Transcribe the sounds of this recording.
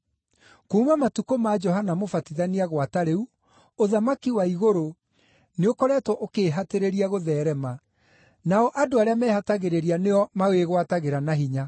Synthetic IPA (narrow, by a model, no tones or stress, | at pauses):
koumamatukomad͡ʒɔɦanamofatiðaniaɣwataɾeu | oðamakiwaiɣoɾo | neokɔɾɛːtwɔʔokeːɦateɾeɾiaɣoðɛːɾɛma | naɔʔadoaɾeamɛːhataɣeɾeɾianeɔmaweɣwataɣeɾanaɦiɲa